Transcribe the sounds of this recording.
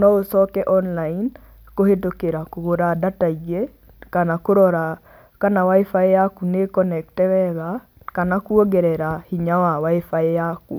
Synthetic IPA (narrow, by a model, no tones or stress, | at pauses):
nɔosɔkɛʔɔnlain | kohet̬okeɾakoɡoɾadataid͡ʒe | kanakoɾɔɾa | kanawaifaeakunekɔnɛk̚tɛwɛɣa | kanakuoɡɛɾɛɾahiɲawawaefaejakṵ